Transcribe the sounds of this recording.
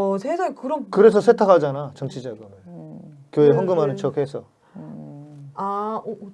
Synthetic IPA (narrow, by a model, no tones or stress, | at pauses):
sʰesʰaŋkɯɾʌnkɯɾe̞s̬ʰʌsʰetʰakʰad͡ʑanat͡ɕʌŋt͡ɕʰid͡ʑaɡɯmɯkjoe̞wʌŋɡɯmɦanɯnt͡ɕʌk̚he̞sʰʌ | a